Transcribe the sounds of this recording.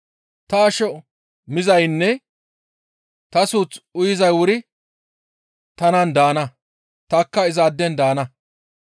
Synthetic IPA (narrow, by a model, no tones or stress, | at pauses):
t̪ɐːʃɔ | mɪzɐjnːɛ | t̪ɐsuːt͡sʊjɪzɐjwʊɾɪ | t̪ɐnɐnd̪aːnɐ | t̪ɐkːɐɪzaːd̪ːɛnd̪aːnɐ